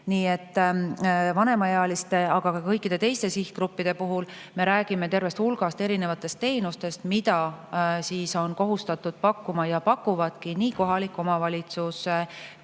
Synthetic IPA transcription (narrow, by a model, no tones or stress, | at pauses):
niːe̞t̪ː | vɑne̞mɑjɑɑlist̪e̞ɑɡ̥ɑkɑkɤjkːˑid̪̥e̞t̪e̞jst̪e̞sihkrupːid̪̥e̞puɦul | me̞ɾæːɡ̥ime̞t̪e̞rve̞st̪hulɡ̥ɑst̪e̞ɾine̞vɑt̪ːˑe̞st̪ːe̞ːnust̪e̞st̪mid̪ɑsiːso̞nko̞ɦust̪ɑt̪ːud̪̥pɑkːumɑjɑpɑkːˑuvɑd̪̥kiniːko̞ɦɑlikːˑo̞mɑvɑlʲit̪sus